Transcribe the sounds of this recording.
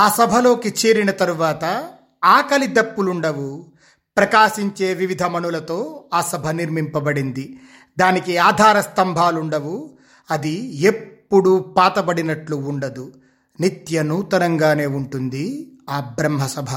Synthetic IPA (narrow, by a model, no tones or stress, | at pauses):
aːsɐbʱɐlo̞ːkit͡ʃeːɾinɐt̪ɐɾuʋaːt̪ɐ | aːkɐlid̪ɐpːuluɳɖɐwu | pɾɐkaːʃiɲt͡ʃe̞ːʋiʋid̪ʱɐmɐnulɐt̪o̞ːaːsɐbʱɐniɾmimpɐbɐɽind̪i | d̪aːnikiaːd̪ʱaːɾɐst̪ɐmbʱaːluɳɖɐwu | ɐd̪ie̞pːuɽupaːt̪ɐbɐɽinɐʈluːɳɖɐd̪u | nit̪jɐnuːt̪ɐnɐŋɡaːne̞ːuɳʈund̪iaːbɾɐmɦɐsɐbʱɐ